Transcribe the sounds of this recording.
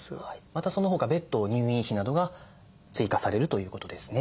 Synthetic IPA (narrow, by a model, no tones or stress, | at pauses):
aimat̪aso̞noɦo̞ːɡabe̞t̪ːo̞ːɲ̟ʲɨːĩɰçinad̪o̞ɡa | t͡sɨikasaɾe̞ɾɯ̟t̪o̞jɯ̟ːko̞t̪o̞d̪e̞sɨ̥ne̞